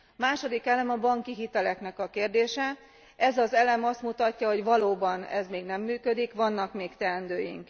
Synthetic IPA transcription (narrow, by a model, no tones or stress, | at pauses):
maːʃo̞d̪ikɛlɛmɒbɒŋkiɦit̪ɛlɛknɛkɒkeːrd̪eːʃɛ | ɛzɒzɛlɛmɒst̪mut̪ɒcːɒɦo̞ɟʋɒloːbɒnɛ̰zmeːɡnɛmːyːkø̞d̪ikʋɒnːɒkmeːkt̪ɛnd̪øːjḭŋk